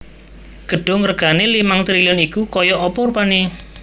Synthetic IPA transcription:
ɡ̥ə̤ɖ̥o̤ŋərɡ̥a̤nelimaŋt̪ɾiliɔnikukɔjɔʔɔpɔɾupane

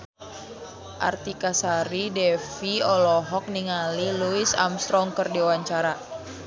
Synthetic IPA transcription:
ʔa̰rt̪ikasaɾidɛfiɔlɔɦɔk̚niŋaliluisa̰mst̪ɾɔŋkərdiuwaɲt͡ʃaɾa

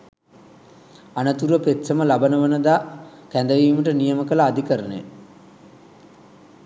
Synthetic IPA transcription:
anət̪uɾəpet̪səməlabənəʋənəd̪aːkænd̪əʋiːməʈənijəməkələːd̪ikəɾənḛ

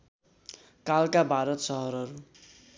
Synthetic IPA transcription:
kalkabʱaɾʌt̪sʌɦʌɾʌɾu

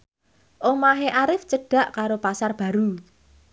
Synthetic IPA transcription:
ʔomaɦeʔaɾɪft͡ʃəɖ̥a̤ʔkaɾopasarb̥ä̤ɾu

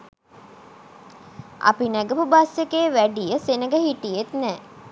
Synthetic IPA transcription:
a̰pinæɡəpubasjekeːʋæɖijəsenəɡəɦiʈijet̪nɛː

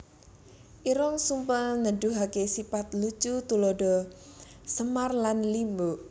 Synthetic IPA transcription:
ʔiɾɔŋsumpəlnəɖuɦakesipat̪lu̥t͡ʃut̪ulɔɖɔ | səmarlanlimboʔ

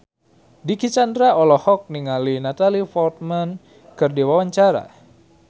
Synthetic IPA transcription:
dikit͡ʃandɾaɔlɔhɔk̚niŋalinat̪alifɔlt̪̚man | kɨrdiwawaɲt͡ʃaɾa̰

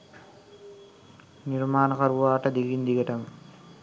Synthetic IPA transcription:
niɾmaːnɐkɐɾuʋaːʈɐd̪iɡind̪iɡɐʈɐm

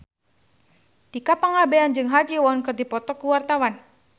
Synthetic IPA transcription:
t̪ikapəŋabeand͡ʒɨŋɦad͡ʒiwɔnkərdipɔt̪ɔkuwart̪awan

